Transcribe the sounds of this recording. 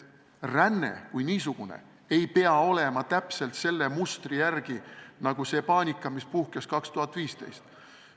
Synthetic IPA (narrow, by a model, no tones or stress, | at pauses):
rænːḛkujniːsuɡ̥unḛ | e̞jpeɑo̞le̞mɑt̪æpse̞lt̪se̞lːe̞must̪rijærɡ̥inɑɡ̥use̞ːpɑːnʲikːˑɑmispuhkeskɑkst̪uɦɑt̪ːˑviːst̪ḛjst̪